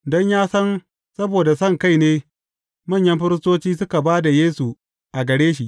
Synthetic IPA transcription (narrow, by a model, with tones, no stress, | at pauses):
dɔ˦ɲjaː˦sɐ˦n | sɐ˦boː˨da˨sɐ˦˨ŋka˦˨jneː˦ | mɐ˦˨ɲjɐ˦mɸɪ˦ɾɪ˦stoː˦t͡ʃiː˦sʊ˦ka˨baː˦da˨jeː˦su˨ | ʔa˨ɡɐ˨ɽeː˦ʃ̬i˨ʔ